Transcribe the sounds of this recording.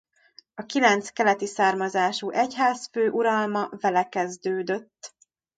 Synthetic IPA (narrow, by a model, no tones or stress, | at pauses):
ɒkilɛnt̪skɛlɛt̪isaːrmɒzaːʃuːʔɛchaːsføːʔuɾɒlmɒvɛlɛkɛzd̪øːd̪øt̪ː